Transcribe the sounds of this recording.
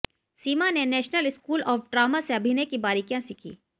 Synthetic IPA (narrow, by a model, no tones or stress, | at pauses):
siːmanenɛːʃnəlɪskuːlɔːfɖɾaːmaseɐbʱinekibaːɾikjãsikʰḭː